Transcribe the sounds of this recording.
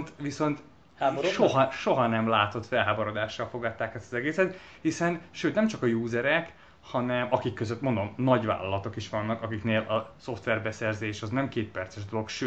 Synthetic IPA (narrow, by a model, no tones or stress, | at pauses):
nt̪ʋiso̞nt̪ː | ʃoɦɒʃoɦɒnɛmlaːt̪o̞t̪fɛlɦaːboɾo̞d̪aːʃːɒlfo̞ɡɒt̪ːaːkɛst̪ɒzɛɡeːsɛt̪ | hisɛnʃøːt̪nɛmt͡ʃɒkɒjuːzɛɾɛk | hɒnɛmɒkikːøzøt̪ːmo̞nd̪o̞mnɒɟva̰ːlɒlɒt̪o̞kiʃʋɒnːɒkɒkikneːlʔɒso̞ft̪ʋɛrbɛsɛrzeːʃɒznɛmkeːt̪̚pɛrt̪sɛʃd̪o̞lo̞kʃøː